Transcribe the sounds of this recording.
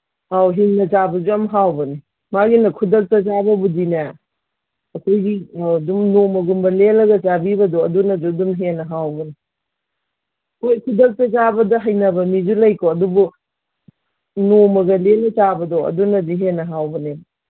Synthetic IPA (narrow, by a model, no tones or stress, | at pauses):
awɦinːɐt͡ʃabɐzuɐmɦawbɐni | maɡinɐkʰudɐk̚tɐt͡ʃabɐbudinɐ | ɐkʰojɡiawdumnomɐɡumbɐlelɐɡɐt͡ʃabibɐdɔɐdunɐd͡ʒudumɦenːɐɦawbɐni | kʰojkʰudɐk̚tɐzabɐdɐɦɐjnɐbɐmizulɐjkoɐdubu | nomɐɡɐlelɐt͡ʃabɐdoɐ̰dunɐdiɦenɐɦawbɐnebɐ